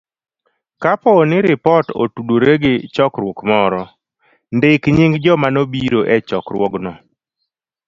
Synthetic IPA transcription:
kapɔnɪɾɪpɔto̰tudoɾeɡɪt͡ʃɔkɾwɔkmɔɾɔ | ndɪkɲɪŋɡd͡ʒɔmanobiɾoʔɛt͡ʃɔkɾwɔɡnɔ

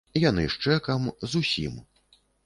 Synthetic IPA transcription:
janɨ̰ʂt͡ʂɛkɐmzusʲḭm

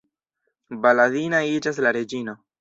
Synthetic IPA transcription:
balaðinaid͡ʒas̬laɾe̞d͡ʒino̞

